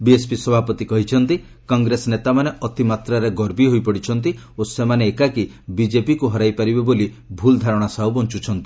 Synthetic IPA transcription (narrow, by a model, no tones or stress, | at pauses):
biespisɔbʱapɔt̪ikɔɦit͡ʃʰɔnt̪i | kɔŋɡɾesɔnet̪amaneɔt̪imat̪ɾaɾeɡɔɾbiɦojpɔɽit͡ʃʰɔnt̪̬i | osemaneːkaki | bid͡ʒepikuɦɔɾajpaɾibeboli | bʱuld̪ʱaɾɔɽ̃asaɦubɔnt͡ʃut͡ʃʰɔnt̪i̥